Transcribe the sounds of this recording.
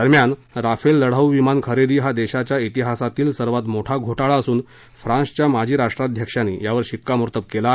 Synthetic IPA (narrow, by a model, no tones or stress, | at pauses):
d̪əɾmjanɾafelːəɽ̤awʋimankʰəɾed̪iːɦad̪eɕat͡ɕjait̪iɦasat̪iːlsəɾʋat̪moʈʰaɡʱoʈaɭaəsuːn | fɾãnst͡ɕjamad͡ʑʱiːɾaʂʈɾad̪ʱjəkʂanḭːjaʋəɾɕikːamuɾt̪əb̚kela